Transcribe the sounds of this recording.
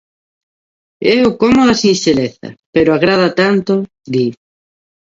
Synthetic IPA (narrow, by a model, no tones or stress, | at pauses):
eokomoðasinseleθɐ̰peɾoaɣɾaðat̪ant̪o | d̪i